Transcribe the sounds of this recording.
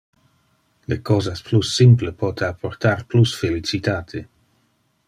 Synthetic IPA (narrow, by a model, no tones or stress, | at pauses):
lekɔːzasplusːimplepɔːt̪ʰeapʰort̪arplusfelit͡ʃit̪aːt̪ʰe